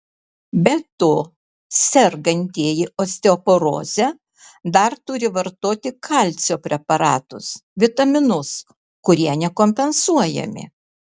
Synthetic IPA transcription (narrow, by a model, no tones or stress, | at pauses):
bʲɛt̪oː | sʲɛɾɡɐnʲt̪ʲiɛjɪoːsʲt̪ʲeopoɾo̰ːzʲɛ | d̪ɐɾt̪ʊɾʲɪʋɐɾt̪oːt̪ʲɪkʰɑˑlʲt̪sʲoːpʲɾʲɛpɐɾɑːt̪ʊsʋʲɪt̪ɐmʲɪnʊs | kʊɾʲiɛnʲɛkomʲpʲɛnsuɔjɛ̰mʲɪ̰